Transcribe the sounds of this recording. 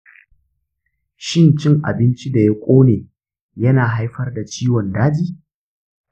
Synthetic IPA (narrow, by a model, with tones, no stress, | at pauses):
ʃɪ˦nt͡ʃɪ˦ŋʔa̰˨bɪ˦nt͡ʃi˦da˨jɐ˦kʷʼoː˦neː˨ | jɐ˦naː˨ɦa˦jɸɐ˦rda˨t͡ʃiː˦wɔ˨ndaː˦d͡ʒiː˦